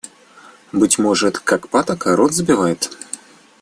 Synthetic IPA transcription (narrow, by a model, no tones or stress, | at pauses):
bɨtʲmɔʐɛt̪kakpat̪ɐkaɾɔd̪zbʲivajɛt̪